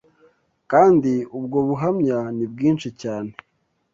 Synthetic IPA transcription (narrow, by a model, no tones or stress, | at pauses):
kaːndiubɡoβuɦamɲanib̚ɡiːnʃicaːne